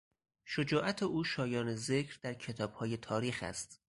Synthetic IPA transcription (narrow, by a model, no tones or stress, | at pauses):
ʃod͡ʒɒːʔæt̪ʰeʔuːʃɒːjɒːneze̞kʰɾd̪æɾcʰe̞t̪ʰɒːb̥hɒːje̞t̪ʰɒːɾiːxæ̰st̪